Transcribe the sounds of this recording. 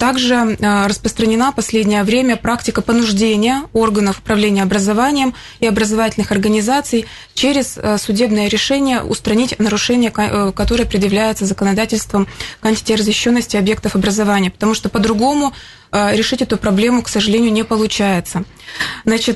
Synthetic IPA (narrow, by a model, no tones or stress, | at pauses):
t̪aɡʐɨrəspɾəst̪ɾənʲɪnapɐsʲlʲedʲnʲɪjəvɾʲemʲəpɾaktʲɪkəpənʊʐdʲenʲɪjəo̞rɡənəfʊ̥pɾɐvlʲenʲɪjəɐbɾəzɐvanʲɪjəm | ɪɐbɾəzɐvatʲɪlʲnɨxɐrɡənʲɪzat̪sɨj | t͡ɕeɾʲɪzsʊdʲe̞bnɨjəɾʲɪʂɛnʲɪjə̰ʔʊ̰st̪ɾɐnʲitʲnəɾʊʂɛnʲɪjəkɐt̪o̞ɾɨjəpɾʲɪd̪jɪvlʲæjɪt̪səzəkənɐd̪atʲɪlʲst̪vəmkɐnʲtʲɪ̥tʲɪrəzʲɪɕːo̞nːəsʲtʲɪɐbje̞k̚t̪əfɐbɾəzɐvanʲɪjəpə̥t̪ɐmuʂt̪o̞pəd̪ɾʊɡo̞mʊ | ɾʲɪʂɨtʲɛt̪ʊpɾɐblʲe̞mʊksəʐɨlʲenʲɪjʊnʲɪpəlˠʊt͡ɕæjɪt̪sə | znat͡ɕɪt̪